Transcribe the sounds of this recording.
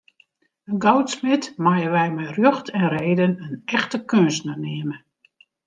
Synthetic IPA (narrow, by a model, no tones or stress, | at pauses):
ənɡɔwtsmɪtmajəʋɛjmɛrjøxtʰɛnreːdənənɛxtəkøənstnənɪəmə